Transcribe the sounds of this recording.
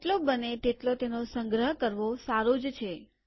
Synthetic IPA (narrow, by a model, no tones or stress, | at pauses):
ʈlobənet̪eʈlot̪enosəŋɡɾəɦəkəɾʋosaɾod͡ʒt͡ʃʰe